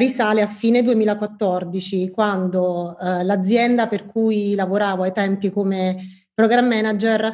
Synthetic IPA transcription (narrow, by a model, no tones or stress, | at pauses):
risaːleafːiːned̪uemiːlakwat̪ːɔrd̪it͡ʃikwand̪olad̪zːjɛnd̪aperkujlavoɾaːvoajt̪ɛmpikome | pɾoɡɾamːɛnad͡ʒer